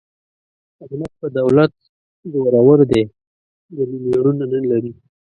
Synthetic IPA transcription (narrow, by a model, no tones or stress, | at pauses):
akmat̪̚pəd̪awlat̪̚ | zoɾawəɾd̪e | d̪əlimaɽunanənlaɾi